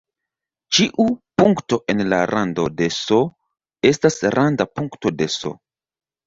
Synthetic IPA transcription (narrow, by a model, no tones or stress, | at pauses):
t͡ʃiʔupuŋkto̞ʔe̞nla̰ɾʔando̞de̞so | e̞stasɾʔandapuŋkto̞de̞so̞̰